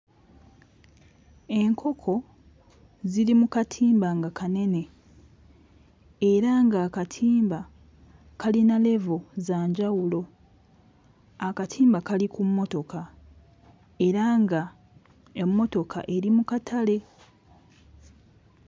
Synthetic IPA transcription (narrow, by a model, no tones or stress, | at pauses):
e̞ŋkʰo̞kʰo̞ | ziɾimukatʰiːmbaŋɡakane̞ne̞ | ɾaŋɡaːkatʰiːmba | kalinale̞vozaːɲɟawulo̞ | akatʰiːmbakalikumːo̞to̞ka | e̞ɾaŋɡa | emːo̞to̞kʰa̰ʔe̞ɾimukatʰale̞